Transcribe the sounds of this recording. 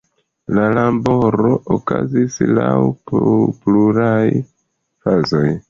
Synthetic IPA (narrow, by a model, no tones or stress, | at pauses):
lalambo̞ɾo̞ʔokazislawppluɾaj | fazo̞j